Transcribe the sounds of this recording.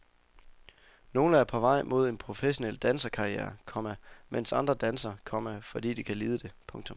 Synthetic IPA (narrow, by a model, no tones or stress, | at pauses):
no̝ːləæɐpʰɒ̽ʋɑ̈ɪ̰mʔo̝ð̞̰ˠe̝npʰʁo̝feɕo̝nel̰d̥ænsɐkʰɑ̈iḛːɐkʰɒ̽m̰æmen̰sɑ̈nd̥ʁɐd̥ænsɐkʰɒ̽m̰æfɒ̽d̥ḭːd̥ikʰæliːð̞ˠəd̥e̝pʰɔ̽ŋt͡sʰɔ̽m